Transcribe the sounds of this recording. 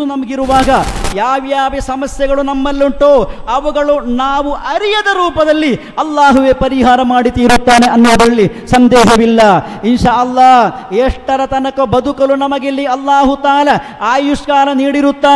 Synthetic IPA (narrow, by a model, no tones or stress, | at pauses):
unɐmɐɡiɾuʋaːɡɐjaːʋjaːʋesɐmɐsjɐɡɐɭunɐmːɐlːuɳʈoːɐʋuɡɐɭunaːʋuʔɐɾijɐd̪ɐɾuːpɐd̪ɐlːi | ɐlːaːɦuʋepɐɾiɦaːɾɐmaːɽit̪iːɾut̪ːaːne̞ʔɐnːuːd̪ɐɭːisɐnd̪ɛːɦɐʋilːɐinʃaːʔɐlːaːɦeːʂʈɐɾɐt̪ɐnɐkɐbɐd̪ʱukɐlunɐmɐɡelːiɐlːaːɦut̪aːlɐ | aːjuʂkaːlɐniːɽiɾut̪ːaː